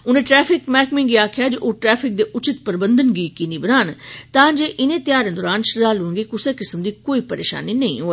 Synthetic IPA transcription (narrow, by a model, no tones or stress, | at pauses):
ʊnẽːʈɾɛːpʰɪkmɛːkmɪ̃ŋɡiaːkʰɪjaːd͡ʒəʔoːʈɾɛːpʰɪk̚d̪eːʔʊt͡ʃɪt̪pəɾbə̃nd̪ənɡiːkinibənaːnt̪ãːd͡ʒeːʔɪnẽt̪jaːɾə̃nd̪ʊɾaːnʃəzaːluːŋɡeːkʊseːkɪsəmd̪iːkoːiːpəɾḛːʃa̰ːninɐḭ̃ɦoːə